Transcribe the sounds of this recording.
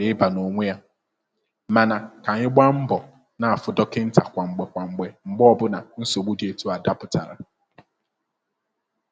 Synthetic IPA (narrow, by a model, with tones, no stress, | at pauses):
ɪ˨˦ɪ˦ba˨no˨ŋʷe˦ja˦ | ma˨na˨ka˨ɲɪ˦ɡ͡ba˦m̩˦bɔ˨ | na˨a˨fʊ˨dɔ˦kɪ˦n̩˦ta˨kʷa˨ŋ͡m̩˨ɡ͡be˨kʷa˨ŋ͡m̩˨ɡ͡be˨ŋ͡m̩˨ɡ͡bɔ˦ɔ˦bʊ˦na˨n̩˦so˨ɡ͡bu˦di˨e˨tu˦a˨da˦pʊ˨ta˨ɾa̰˨